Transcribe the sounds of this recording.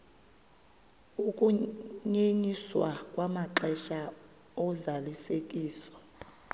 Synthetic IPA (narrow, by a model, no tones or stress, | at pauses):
ukʼuɲeɲiswakʼwamaǃɛʃa | ɔzalisekʼiːsɔ̥